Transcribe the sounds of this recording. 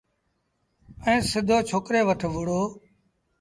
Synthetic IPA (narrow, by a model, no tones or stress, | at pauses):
ɛ̃ːsɪd̪ʱoːt͡ʃʰoːkɾeːʋəʈʰʋʊɽoː